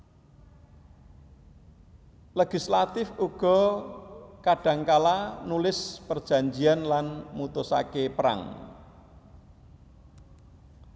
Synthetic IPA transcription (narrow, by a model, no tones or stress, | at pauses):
leɡ̥islat̪ɪfuɡ̥ɔ̤ | kaɖ̥a̤ŋkalanulɪspərd̥ʒ̥a̤ɲd͡ʒianlanmut̪ʊsa̰kepəɾa̰ŋ